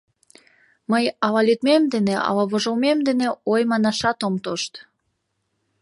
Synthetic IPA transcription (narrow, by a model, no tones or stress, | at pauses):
məjɑlɑlyt̪memd̪eneʔɑ̰lɑβoʒomemd̪eneojmɑnɑʃɑt̪omt̪oʃt̪